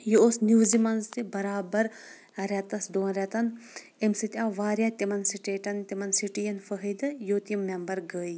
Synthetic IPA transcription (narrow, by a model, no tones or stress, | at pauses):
joosnuːzimɐnzt̪ibɐɾaːbɐɾ | ɾɛt̪ɐsd̪oːɐnɾʲɛt̪ɐn | imsɨt̪ʲãːʋaːɾʲjat̪imɐnsiʈeːʈɐnt̪imɐnsiʈijɐnfɐɦid̪ɨjoːt̪imːembɐɾɡəːj